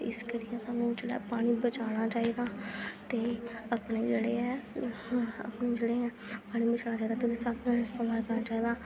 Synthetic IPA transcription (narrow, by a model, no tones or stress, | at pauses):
ɪskəɾɪjãːsaːnũːt͡ʃəɽa̰ːpaːɽ̃iːbət͡ʃaːɽaːt͡ʃaːiːd̪aːt̪eːəpɽeːd͡ʒeːɽeːɛː | ə̰pneːd͡ʒeːɽeːɛ̃ː | paːɽ̃iːbət͡ʃaːɽ̃aːt͡ʃaːid̪aːd̪ɪlsaːkãɪst̪eːmaːlkənaːt͡ʃaːiːd̪aː